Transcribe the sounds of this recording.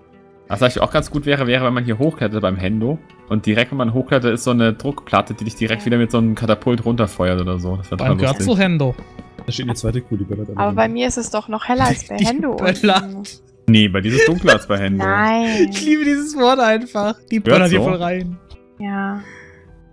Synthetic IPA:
vasd̥aːɡɪçʔa̰ʊxɡ̥ant͡sɡ̥uːtv̥ɛːʁəvɛːʁəvɛnmanhiːɐɦoːxkl̥ɛtətb̥aɪmɦɛndo | ʔʊnt̚d̥iʁɛk̚tv̥ɛnmanɦoːxklɛtd̥aɪstz̥oːnədʁʊkpʰl̥atədiːdɪçd̥iːʁɛktv̥iːdɐmɪtz̥oːnəmkʰatapʰʊltʁʊntɐfɔʏɐtʔoːdɐzoːdaseːɐtʰaalɡœɐsɐtɪoɦɛndo̥aʃteːtnət͡sv̥aɪtəkʰuːdiːbœldaʔaːbɐbaɪmiːɐɪstɛsd̥ɔχnɔχhɛlɐalsb̥aɪd̥ihɛndo̥ɛlɐ | nebaɪdiːzəsd̥ʊŋkləalsb̥aɪhɛndnoaɪnɪçliːbədiːzəsv̥ɔɐtʔaɪnfaχd̥iːb̥ɛlɐthiɐvɔːlʁaɪn | jaː

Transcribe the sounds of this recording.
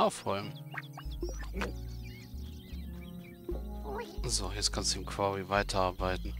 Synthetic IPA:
ʔaʊfʁɔʏm | zoːjɛt͡skʰanstd̥uɪmkʰv̥aʁivaɪtʰɐaɐbaɪtn̩

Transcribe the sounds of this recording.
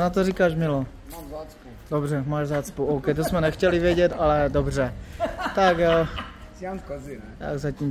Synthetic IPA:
nat̪̬orikaːʃmɪlo | dobrɛmaːʒzaːt̪t͡spowʔowkɛjt̪̬osmɛnɛxcɛlivjɛɟɛt̪alɛdobr̝ɛt̪aɡjo | t̪a̰ɡzacim

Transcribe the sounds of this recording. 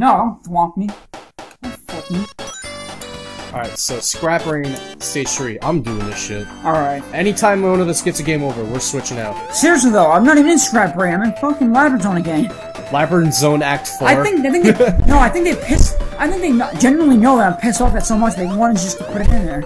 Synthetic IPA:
noʊɾõʊ̃ntθwɑ̃k̚mi | õʊ̃nfʊk̚mi | ʔɑɹaɪtsoʊskɹæpɹẽɪ̃nseɪsɹiʔã̰ɪ̃mdʉɪ̰̃ŋɨʃɪ̰t̚ɔlˠɹaɪt̚ɛñitʰãɪ̃mwõʊ̃nʌvðɪsɡ̥ɛtsɨɡẽɪ̃moʊvə˞wɪɹswɪt͡ʃɪ̃ŋa̰ʊt̚sɪɹis̬iðoʊãɪ̃mnəɾĩvɨ̃n̩ɨ̃nskɹæpɹẽãmãfʌkɪ̃ŋlaɪbɹə˞zõʊ̃nɨɡɛ̃n | læbɹ̃nzõʊ̃næk̚tfaɪθɪ̃ŋk̚aɪθɪ̃ŋkðnoʊaɪθɪ̃ŋk̚ðeɪpʰɪsaɪθɪ̃ŋk̚ðeɪnd͡ʒɛnə˞l̩ˠinoʊðəɾãɪ̃mpʰɪsɔfðɨtsoʊmʌt͡ʃʌðɪwɑ̃ɾ̃ɨzd͡ʒʌstʰəpʰʊɾɨɾɪ̃nðə˞

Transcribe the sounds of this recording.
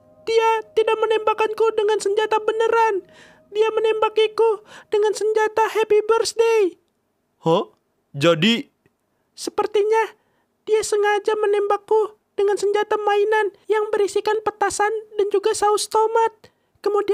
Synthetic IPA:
d̥iat̪idak̚mənɛmbakankudəŋansəɲd͡ʒat̪abənəɾan | diamənɛmbakikudəŋansəɲd͡ʒat̪ahepibərsdej | ho | d͡ʒadi | səpərt̪iɲa | d̥iasəŋad͡ʒamənɛmbakːu | d̥əŋansəɲd͡ʒat̪amainanjaŋbəɾisikanpət̪asandand͡ʒuɡasaust̪omat̪̚ | kəmudi

